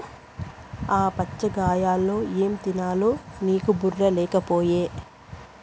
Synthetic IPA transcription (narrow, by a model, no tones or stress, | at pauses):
aːpɐt͡ʃːɐɡaːjaːlːo̞ːeːmt̪inaːloːniːkuburːɐlɛːkɐpoːjeː